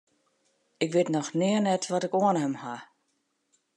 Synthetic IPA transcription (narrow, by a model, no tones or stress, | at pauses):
ɪkʋɪtnɔxnɪərnɛtʋɔtɪkoənhəmha